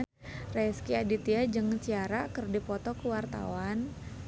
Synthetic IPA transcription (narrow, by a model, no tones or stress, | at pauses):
rɛskiadit̪iad͡ʒɨŋt͡ʃiaɾakərdipɔt̪ɔkəwart̪a̰wan